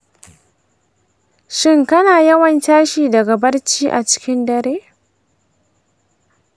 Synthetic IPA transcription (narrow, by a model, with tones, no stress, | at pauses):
ʃɪ˦ŋkɐ˦naː˨jɐ˦wɐ˨ntaː˦ʃiː˨dɐ˨ɡa˨bɐ˦rt͡ʃiː˦ʔa˨t͡ʃɪ̥˦kʲɪ˦ndɐ˨ɾeː˦